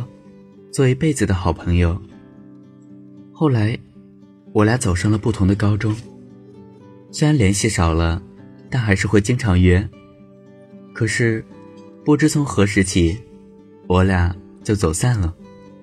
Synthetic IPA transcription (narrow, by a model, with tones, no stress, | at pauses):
t͡swɔ˥˩˧pe˥˩ɪd͡zɹ̩˩d̪ə˩xɑ˨˩ʊpʰɤ˧˥ŋjo˧ʊ | xo˥˩ʊla˧˥ɪ | wɔ˧˥lja˥t͡so˨˩ʊʂɑ˥˩ŋlə˩pu˥˩t̪ʰʊ˧˥ŋd̪ə˧kɑ˥ʊʈ͡ʂʊ˥ŋ | swe˥ɪɻa˧˥nljɛ˧˥nɕi˥˩ʂɑ˨˩ʊlə˦t̪a˥˩nxa˧˥ɪʂɻ̩˥˧xwe˥˩ɪt͡ɕi˥ŋʈ͡ʂʰɑ˧˥ŋɥɛ˧˥n | kʰɤ˨˩ʂɻ̩˥˧ | pu˥˩ʈ͡ʂɻ̩˥t͡sʰʊ˧˥ŋxɤ˧˥ʂɻ̩˧˥t͡ɕʰi˨˩ | wɔ˧˥lja˧˥˩ | t͡ɕjo˥˩ʊt͡so˨˩ʊsa˥˩nlə˩